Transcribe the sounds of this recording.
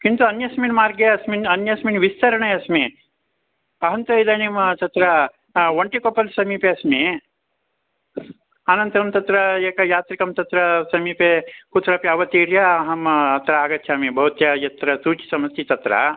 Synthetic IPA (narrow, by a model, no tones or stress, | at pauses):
kint̪uɐnjɐsminmaːɾɡeɐsminɐnjɐsminʋist̪ɐɾɐɳeɐsmi | ɐɦɐnt̪ɐid̪ɐnimt̪ɐt̪ɾɐ | ʋɐɳʈikopɐlsɐmiːpeɐsmi | anɐnt̪ɐɐmt̪ɐt̪ɾɐeːkɐjaːt̪ɾikɐmt̪ɐt̪ɾɐsɐmiːpekut̪ɾɐːpjɐʋɐt̪iːɾjɐɐɦɐmɐt̪ɾɐaːɡɐt̪ʰjaːmibʱɐʋut̪jɐjɐt̪ɾɐsuːt͡ʃi̥sɐmɐst̪it̪ɐt̪ɾɐ̰